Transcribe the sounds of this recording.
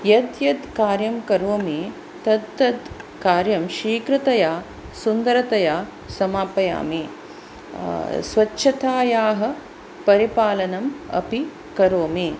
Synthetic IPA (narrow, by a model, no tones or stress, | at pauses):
jɐd̪jɐd̪kaːɾjɐmkɐɾoːmi | t̪ɐd̪ːɐd̪kaːɾjɐmʃiːkɾɨt̪ɐjaː | sund̪ɐɾɐt̪ɐjaː | sɐmaːpɐja̰ːmi | sʋɐtːʃʰɐt̪aːjaːɦɐ̆ | pɐɾipaːlɐnɐmɐ̰pi | kɐɾoːmiː